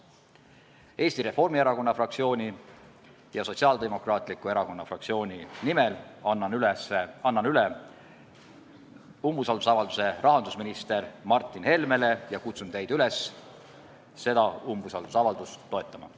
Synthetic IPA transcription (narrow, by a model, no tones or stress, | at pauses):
e̞ːst̪iɾe̞fo̞rmieɾɑko̞nːɑfrɑk̚t̪sio̞ːnʲi | jɑso̞tsiɑːld̪e̞mo̞krɑːt̪ˑlikːˑue̞ɾɑko̞nːɑfrɑkt̪sio̞ːnʲinimelɑylsɑnːɑnyle | umbusɑld̪u̥sɑvɑld̪̥use̞rʔɑɦɑnd̪usminist̪e̞rmɑrt̪ːˑinhe̞lme̞le̞jɑkut̪sunt̪e̞jd̪yle̞s | se̞d̪ɑumbusɑld̪̥usɑvɑld̪̥uso̞et̪ˑːɑmɑ̰